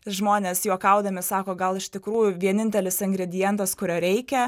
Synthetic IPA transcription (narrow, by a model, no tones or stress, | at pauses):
ʒmoːnʲeːsjuɔkɐʊd̪ɐmʲɪsɑːkoːɡɐlˠɪʃʲt̪ʲɪkɾuːjʊʋʲiɛnʲɪnʲt̪ʲɛlʲɪsɪŋɡɾʲɛd̪ʲɪjɛnt̪ɐskʊɾʲoːɾʲɛɪkʲɛ